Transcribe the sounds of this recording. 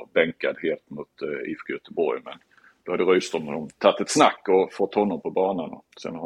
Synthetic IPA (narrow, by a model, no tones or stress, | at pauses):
bɛŋkad̪heːlt̪mʊt̪ɪ̰fkɡajœt̪əbɔɾjmɛ̰n | d̪̥ɔhad̪əɾyːst̪ɾɵmhɔnɔmt̪ʰat̪ːɛt̪snakːɔfɔt̪ːhɔnːɔmpʰɔbɑːnanɔ̰sɛ̰n